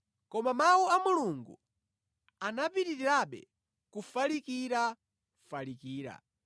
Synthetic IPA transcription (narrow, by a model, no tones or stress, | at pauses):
kɔmamawuamuluŋɡṵ | anapiɾiɾiɾaɓɛ̰ | kufalikiɾa | falikiːɾa̰